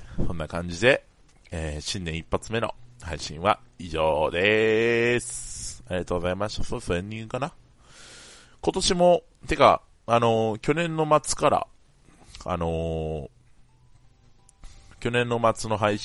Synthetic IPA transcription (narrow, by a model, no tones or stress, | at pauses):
sõ̞nːakãɲ̟d͡ʑid̪e̞ | eːɕĩnd̪ẽipːat͡sɨme̞no̞̰haiɕḭ̃ɰ̃βa̰iʑoːd̪e | saɾʲɾiɡat̪o̞ɡo̞zaimaɕi̥t̪asosẽɲʲːĩŋɡɯkana | ko̞t̪o̞ɕimo̞ | t̪e̞ka̰ | ano̞kʲo̞nẽ̞nːo̞mat͡sɨ̥kaɾa̰ | a̰no̞ | kʲo̞nẽ̞nːo̞mat͡sɨno̞ɦaiɕ